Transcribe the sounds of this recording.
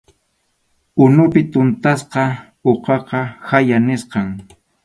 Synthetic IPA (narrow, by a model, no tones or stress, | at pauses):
ʊnʊpɪt̪ʊnt̪asqɑ | oqɑqɑhajanɪsqɑŋ